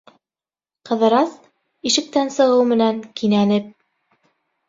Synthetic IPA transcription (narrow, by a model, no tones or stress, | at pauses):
qɤ̆ðɤ̆ɾɑs | iʃɘ̆k̚t̪ænsɤ̆ʁɤwmɘ̆næŋkinænɘp̚